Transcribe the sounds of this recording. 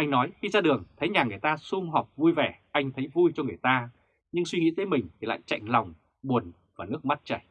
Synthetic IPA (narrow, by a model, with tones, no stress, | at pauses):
ʔa˧jŋ̟nɔ˨˦jxi˧zaː˧ɗɨ˨˩əŋt̪ʰə˨˦jɲaː˨˩ŋɨ˨˩əjt̪aː˧su˧ŋ͡mɦɔ˨˩k͡p̚vu˧jvɛ˧˩ʔa˧jŋ̟t̪ʰə˨˦jvu˧jt͡ɕɔ˧ŋɨ˨˩əjt̪aː˧ | ɲɨ˧ŋswi˧ŋḭ˧˥t̪ə˨˦jmï˨˩ŋ̟t̪ʰi˨˩la̰ː˧˨jt͡ɕa̰˧˨jŋ̟la˨˩wŋ͡m | ɓu˨˩ənvaː˨˩nɨ˦˥ək̚m˦˥t̚t͡ɕa˧˩j